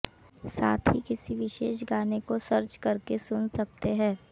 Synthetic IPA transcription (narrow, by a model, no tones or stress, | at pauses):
saːt̪ʰɦikɪsiʋɪʃeːʃ̬ɡaːnekosɐɾt͡ʃkɐɾkesʊnsɐk̚t̪eɦɛ̃ː